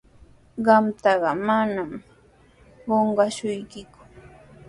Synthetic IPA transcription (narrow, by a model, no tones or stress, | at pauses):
ɢɑmt̪ɑɢɑmanam | ɢoɴɢɑʃʊjkɪkʊ̥